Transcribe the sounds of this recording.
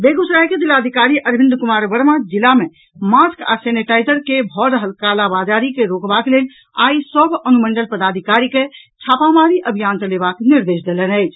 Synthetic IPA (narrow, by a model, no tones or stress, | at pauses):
beɡusɾaɦked̪ilaːd̪ʱikaɾiʔəɾbʱind̪kumaɾʋəɾmad͡ʒilame | maska̰seniʈajd͡ʒəɾkebʱɔɾəɦəlkalabad͡ʒaɾikeɾokbakelel | a̰isəbʱənuməɳɖəlpəd̪ad̪ʱikaɾike | t͡ʃʰapamaɾiʔəbʱijant͡ʃəlebakniɾd̪esd̪elənəjt͡ʃʰ